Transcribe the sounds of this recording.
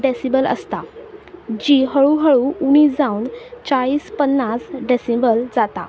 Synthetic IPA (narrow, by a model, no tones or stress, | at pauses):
ɖesibələ̰st̪a | d͡ʑiɦəɭuɦəɭuuɽ̃iːsd͡zaunt͡ɕaɭiːspənːasɖesembəld͡zat̪a̰